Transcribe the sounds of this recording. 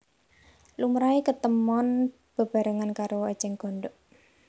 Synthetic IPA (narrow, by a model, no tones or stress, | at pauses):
lumɾaekət̪əmɔn | b̥ə̤b̥a̤ɾəŋankaɾoḁd͡ʒɛŋɡ̥ɔ̤nɖɔʔ